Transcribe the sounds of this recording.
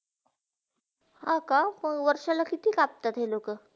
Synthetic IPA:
hãkapəʋəɾʂalakit̪iːkap̚t̪at̪ɦelokə

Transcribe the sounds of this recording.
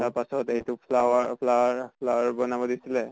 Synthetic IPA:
taɹpasɔtejtupʰlawapʰlaaɹpʰlawaɹbɔnabɔdisilɛ

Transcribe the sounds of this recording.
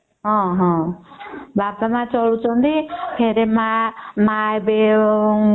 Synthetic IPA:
ɦɔ̃ɦɔ̃ | bapamãt͡sɔlut͡sʰɔ̃nd̪ipʰeɾemamaebe

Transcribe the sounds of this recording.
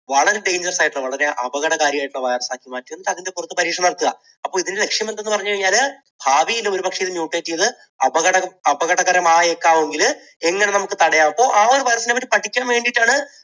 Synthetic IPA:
ʋɐɭɐɾe̞ɖe̞jɲd͡ʑɐrsaːjiʈːuɭːɐʋɐɭɐɾe̞ʔɐ̰bɐɣɐɽɐɣaːɾjɐjaːjʈːuɭɐʋɐjrɐsaːkːimaːtːiɾunːiɐðinde̞purɐt̪ːuɨpɐɾiːʂɐnɐɽɐt̪ːuɣɐ | ɐpːoːiðinle̞kʂjɐmend̪eːpɐrɐɲːukɐiɲːaːl | bʱaːʋijilːɐo̞ɾupɐkʂeɐðɨmjuːʈːeːtːijɐðɨ | ɐbɐɣɐɽɐɐɐbɐɣɐɽɐɣɐɾɐmaːjekːaːʋeŋɡil | e̞ŋːɐne̞nɐmukːɨt̪ɐɽɐjaːʋpːo̞ːʔaːo̞ɾuʋɐjrɐsinepːɐtːɨpɐʈʰːikʲːaːnʋe̞ːɳɖiʈːaːɳɨ

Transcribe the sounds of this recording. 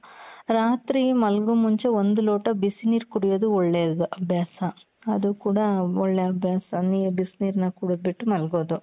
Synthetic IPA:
ɾaːt̪ɾimɐlɡumːuɲt͡ʃeond̪uloːʈɐbisniːɾkuɽijod̪uɔɭːeːd̪uʔɐbʱjaːsɐ | ɐd̪ukuːɽɐɔɭːeːɐbʱjaːsɐniːjɐbisniːɾnɐkuɽubiʈːumɐlɡoːd̪u

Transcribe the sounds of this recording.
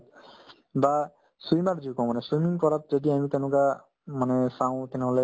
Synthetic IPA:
ba | sijmaɾd͡ʒikɔ̃w̃manɛswijmiŋpɔɾat̚zɔdiamit̪enʊ̃ka | manɛsãw̃t̪ɛneɦole

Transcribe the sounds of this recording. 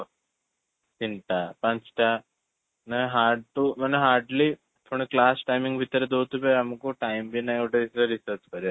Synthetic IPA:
t̪inʈapãt͡sʈa | naɦaɾɖt̪um̤əneɦaɾɖli | t̪ʰoɳ̃iklasʈajmiŋɡbʱit̪əɾed̪ot̪upeamkoʈajmbinajewʈeisəɾisəɾt͡skəɾja

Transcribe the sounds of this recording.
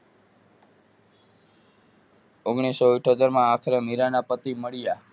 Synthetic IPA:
oɡɳ̃isoiʈʰot̪əɾmãːkʰəɾemiɾanapət̪iməɭija

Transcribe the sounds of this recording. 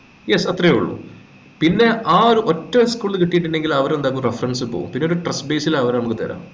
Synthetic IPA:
jesɐt̪reṵɭːṵ | pinːe̞ʔaːoɾuʔotːɐskuːɭːkiʈːijiʈ̬ːiɳɖe̞ŋɡilɐʋɐɾend̪aːkːumrefɐrɐnsɨpo̰ːṵmpinːeoɾuʈrɐsbe̞ːsilaɐʋɐɾnɐmukːɨt̪ɐ̰ːɾa̰ːm

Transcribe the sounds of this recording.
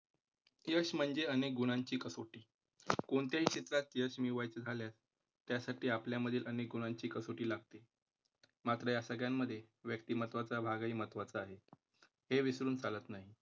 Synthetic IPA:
jəɕm̤əɳd͡zeənek̚ɡuɽ̃aɲt͡ɕiːkəsoʈiː | koɳt̪jaɦiːɕet̪lat̪jəɕmiʋajt͡səd͡zʱaljas | t̪ːjasaʈiːapljaməd̪ʱiːlʔənek̚ɡuɽ̃aɲt͡ɕiːkəsoʈiːlaɡ̚t̪e | mat̪ɾəjasəɡjamːəd̪ʱːjeʋjək̚t̪iːmət̪ʋat͡sabʱaɡaiːmət̪ʋat͡saːɦe | heʋisɾuːnt͡salət̪naɦi

